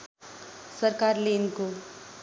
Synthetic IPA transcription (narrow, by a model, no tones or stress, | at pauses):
səɾkaːɾlenko